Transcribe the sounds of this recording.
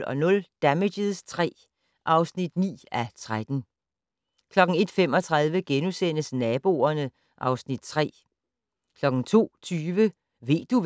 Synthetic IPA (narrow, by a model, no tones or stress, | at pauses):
ɒ̽nɔ̽ld̥æmedəðˠst͡sʰʁɛ̰ː | ʔɑ̈ʊsnid̥nḭːæt͡sʰʁad̥n̩ | kʰlɒ̽ɡ̥n̩e̝d̥fem̰ɒ̽t͡sʰʁɑ̈ð̞ˠʋəɡ̥enusen̰əsnɛːb̥o̝̰ːɐnə | ʔɑ̈ʊsnid̥t͡sʰʁɛ̰ː | kʰlɒ̽ɡ̥n̩t͡sʰo̝̰ːt͡sʰyːʋə | ʋe̝̰ːd̥uʋ